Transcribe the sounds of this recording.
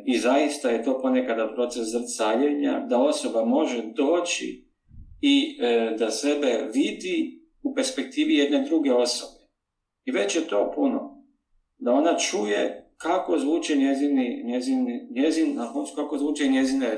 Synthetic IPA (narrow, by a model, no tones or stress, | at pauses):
izajist̪aje̞t̪o̞ːpo̞ne̞kad̪apɾo̞t̪seszr̩t̪saːʎeɲa̰d̪ao̞so̞bamo̞ʒed̪o̞ːt͡ʃḭ | id̪ase̞be̞ʋid̪i | upe̞ɾspe̞k̚t̪iːʋije̞d̪ne̞d̪ɾuɡe̞o̞sobe̞̥ | iʋe̞t͡ɕjet̪o̞ːpuno̞ | d̪ao̞nat͡ʃuje̞̰kako̞zʋuːt͡ʃeɲeziniɲeziniɲezinakonsukakozʋuːt͡ʃeɲje̞zine